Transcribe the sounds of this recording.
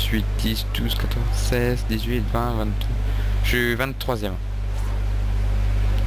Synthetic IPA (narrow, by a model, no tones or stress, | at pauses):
sɥit̪̚d̪isd̪uz̥kat̪ʰɔzsɛzd̪izɥit̪vɛ̃vɛ̃nt̪d̪ | ʒ̥øvɛ̃t̪ːχwazjɛm